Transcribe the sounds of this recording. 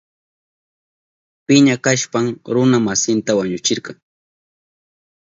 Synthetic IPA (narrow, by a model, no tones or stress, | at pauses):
pɪɲakaʃpamɾʊnamasɪnt̪awaɲʊt͡ʃɪɾqɑŋ